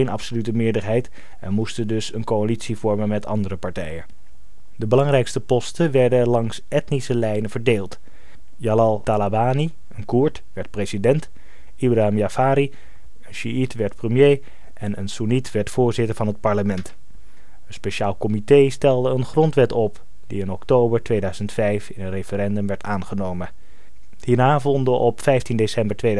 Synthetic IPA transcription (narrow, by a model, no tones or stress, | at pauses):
enɑpsolytəmɪːɹdəɹɦɛjt | ɛnmustəndɵsənkoalitsivɔɹmənmɛtʰɑ̰ndəɾəpɑɹtɛjən | dəbəlɑŋrɛjkstəpɔstəʋɛɹdəlɑŋs | ɛtnisəlɛjnəvəɹdeːlˠt | jalɑlˠtalabaːni | ənkuɹtʋɛɹt̚prezidɛnt | ibraɦɪmjafaːɾi | ənʃyitʋɛɹtprəmjej | ʔɛnənsunitʋɛɹtfʊːɹzɪtəɹvɑnɦət̚pɑɹləmɛnt | ənspeʃaːlˠkɔmitejstɛlˠdəənχrɔntʋɛtɔp | d̥iɪnɔktowbəɹtʋeːjdœɥzəntfɛjfɪnətrefəɾɛndɵmʋɛɹtʰaːnχənowmə | hiːnaːvɔndəʔɔpfɛjftindesɛmbəɹtʋe